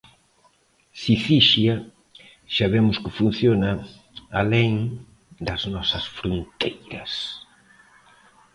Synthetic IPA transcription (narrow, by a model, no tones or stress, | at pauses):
siθiʃjɐ | ʃaβemʊskɪfun̟θjona | aleŋ | d̪ɐznɔsɐsfɾont̪ejɾɐs